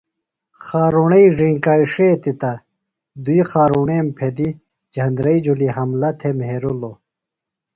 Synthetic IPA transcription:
xaːɾuɳɐiʐĩŋkaːiʂeːt̪it̪ɐ | d̪uixaːɾuɳeːmpʰed̪i | d͡ʑʱɐnd̪ɾɐid͡ʑuliɦɐmlɐt̪ʰemɦeɾulo

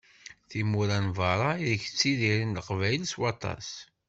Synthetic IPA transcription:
θimuɾænvɑɾˤɑiðəçt͡sːiðiɾinləqvæjlswɑt̪ˤɑ̰s

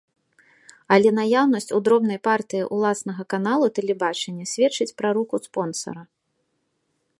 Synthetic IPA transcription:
ɐlʲɛnajawnɐsʲt͡sʲud̪ɾɔbnɐjpart̪ɨjiʔulˠasnɐɣɐkan̪alˠut̪ɛlʲɛbat͡ʂɐnʲːɐsʲvʲɛt͡ʂɨt͡sʲpɾɐɾukuspɔnsɐ̰ɾɐ

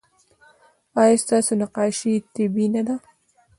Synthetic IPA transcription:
ɑjɑst̪ɑsonaqɑʃit̪ɪbinad̪a

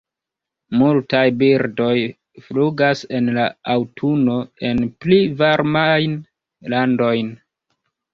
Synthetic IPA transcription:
multajbiɾdo̞j | fluɡase̞nlaawtʰuno̞e̞nplivaɾmajn | lando̞jn

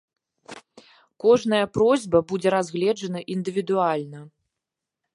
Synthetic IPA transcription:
kɔʐn̪ɐjɐpɾɔzʲbɐbud͡zʲɛɾazʲɣlʲɛd͡ʐɐnɐʔind̪ɨvʲid̪ualʲnɐ

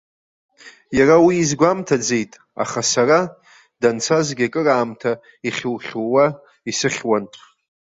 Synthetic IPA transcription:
jarawiːzɡʷamtʰad͡ze̞jtʼ | a̰χasara | dant͡sʰazɡʲakʼɨraːmtʰa | iχʲɪwχʲawa | isɨχʲwantʷʰʼ

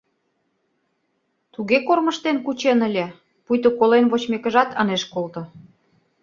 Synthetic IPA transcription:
t̪uɣekormə̆ʃt̪enkut͡ɕenəlʲĕ | pujt̪okolenβot͡ɕmekə̆ʒɑt̪ɑneʃkolt̪ŏ

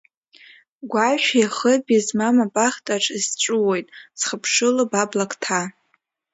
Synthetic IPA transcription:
ɡʷaʃᶣjaχəbʲizmamabʼaχʲtʼaʈ͡ʂʼɨzt͡ʃʷʼuwe̞jtʼsχəpʰʂɨlabablakʰʼtʰa

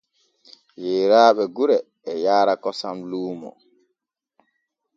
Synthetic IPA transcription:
jeːɾaːɓɛɡuɾɛː | jaːɾakɔsamluːmɔ̰

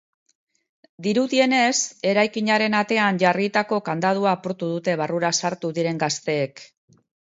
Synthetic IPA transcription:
d̪iɾuðie̞ne̞se̞ɾajkiɲaɾe̞nat̪e̞anʝarit̪ako̞kand̪að̞uaːpuɾt̪uðut̪e̞βaruɾasaɾt̪uðiɾe̞ŋɡast̪e̞ːk

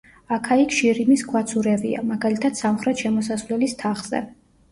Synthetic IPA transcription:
akʰaikʰʃiɾimiskʰwat̪sʰuɾɛvḭa̰maɡalit̪ʰat̪samχɾɛt̪ʃɛmɔsasvlɛlist̪ʰaχz̥ɛ̰

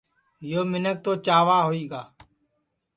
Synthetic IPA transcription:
joːmɪnək̚t̪oːt͡ʃaːʋaːɦoːiːɡaː

